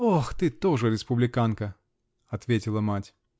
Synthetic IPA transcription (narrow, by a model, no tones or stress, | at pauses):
oxt̪ɨt̪oʐɨɾʲɪspʊblʲɪkankə | ɐt̪vʲetʲɪlˠəmatʲ